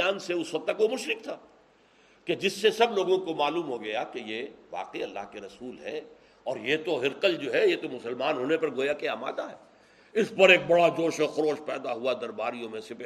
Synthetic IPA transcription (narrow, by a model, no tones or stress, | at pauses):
aːnseʊsʋɐk̚t̪ɐkʋomʊʃɾɪk̚t̪ʰaː | ked͡ʒɪsːesɐbloːɡõkomaːluːmɦoɡɐjakejeʋa̰ːqiɐlːa̰ːɦkeɾɐsuːlɦɛː | ɔːɾjet̪oɦɪɾqəld͡ʒoːɦɛjet̪omʊsəlmaːnɦoːnepɐɾɡoːjakeaːma̰ːd̪aɦɛː | ɪspɐɾeːk̚bɐɽad͡ʒoːʃexʊɾoːʃpɛːd̪aɦuad̪ɐɾbaːɾijõmẽsep